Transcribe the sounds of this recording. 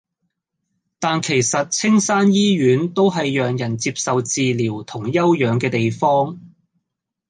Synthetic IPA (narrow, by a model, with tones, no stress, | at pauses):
t̪aː˨˧nkʰe˨˩jsɐ˨t̚t͡sʰɪ˥ŋsaː˥njiː˥ɥyː˨˥nt̪o˥wɦɐ˨jːœː˨ŋjɐ˨˩nt͡siː˧p̚sɐ˨wt͡siː˨˧liː˨˩wt̪ʰʊ˨˩ŋjɐ˥wjœː˨˧ŋkɛː˧t̪e˨jfɔː˥ŋ